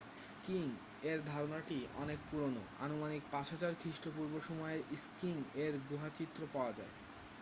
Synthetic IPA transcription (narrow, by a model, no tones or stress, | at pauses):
skiŋ | eɾd̪ʱɔɾonaʈiɔ̰nek̚puɾono̰a̰nomanik̚pat͡ɕʰat͡ɕaɾkʰɾiʃʈopuɾboʃɔmɔeeɾiskiŋeɾɡɾuɦat͡ɕit̪ːɾopaoad͡ʑa̰e